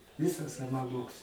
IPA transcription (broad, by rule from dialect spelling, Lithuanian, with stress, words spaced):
ˈʋʲɪsɐs sɐʋɐˈmoːks